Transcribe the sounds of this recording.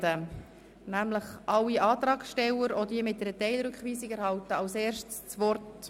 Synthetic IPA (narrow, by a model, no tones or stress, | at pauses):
ə | næmləχʔɑwːiɑːt̪ɾɑːksʃtɛlːəɾɔdiəmɪt̚dɛɾətɛɪlɾʏkχʋiːsiɡæɾhɑwtəɑʊseːɾʃtst͡sʋɔrt